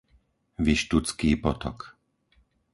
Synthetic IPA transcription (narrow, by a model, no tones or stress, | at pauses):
ʋiʃt̪ut͡skiːpɔt̪ɔ̰k